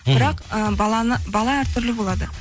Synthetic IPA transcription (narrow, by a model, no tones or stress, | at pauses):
b̥ɪɾɑqəbɑlˠɑnəbɑlˠɑæɾt̪ʰɵɾlɪbolˠɑd̪ə